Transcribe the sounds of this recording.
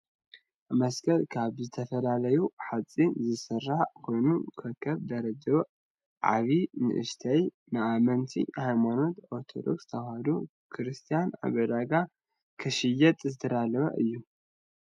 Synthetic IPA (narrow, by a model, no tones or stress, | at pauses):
mɐskɐlkʰaβzɨt̪ʰɐfɐlalɐjuħat͡sʼːizɨsɨrːaħkʰo̞jnukʰɐkʰːɐβd̪ɐɾɐd̪ɐβ | ʕa̰βinɨ̰ʔɨ̰ʃt̪ʰɐj | nɨʔamɐnt̪ʰḭhajmano̞t̪oɾt̪ʰo̞̰d̪o̞̰kst̪ʰɐwhad̪u | kʰɨɾɨst̪ʰijana̰βɐd̪aɡa | kʰɨʃɨjɐt̪ʼzɨt̪ʰɐd̪alɐβɐ̰ʔɨjːu